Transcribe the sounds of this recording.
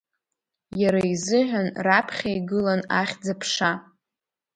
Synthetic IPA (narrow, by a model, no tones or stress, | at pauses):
jaɾaizɨħʷᶣanrapʰχʲajɡɨlanaχʲd͡zapʰʂa